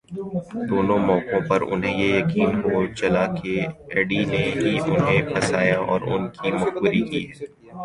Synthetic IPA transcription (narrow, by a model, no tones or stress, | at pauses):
d̪oːnõmɔ̃ːkõpɐɾʊ̰nɦẽjejɐkiːnɦot͡ʃɐlakeɛːɖineɦiʔʊnɦẽpɐsaːjaʔɔ̰ːɾʊ̰nkimʊxbʊɾikiːɛː